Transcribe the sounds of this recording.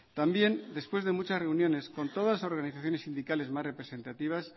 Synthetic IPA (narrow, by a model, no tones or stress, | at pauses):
t̪ambje̞nd̪e̞spwe̞zðe̞mut͡ʃasre̞unjõ̞ne̞sko̞nt̪o̞ðaso̞ɾɣaniθaθjo̞nesind̪ikale̞zmasre̞pɾe̞sẽ̞nt̪at̪iβ̞as